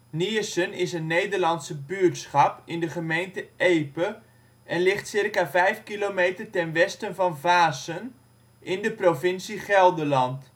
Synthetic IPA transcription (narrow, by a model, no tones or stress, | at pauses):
niəsənɪsənnːejdərlɑntsəbyətsχɑpɪndəχəmejntəʔeːpə | ʔɛnlɪχtsɪrkavɛjfkilomeːtərtɛnʋɛstənvɑnvaːsən | ʔɪndəprovɪnsiχɛlˠdəlɑnt